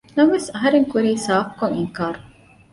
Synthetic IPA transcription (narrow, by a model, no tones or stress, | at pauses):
nɐŋʋesɐɦɐɾeŋkuɾiːsaːfkoŋiŋkaːɾu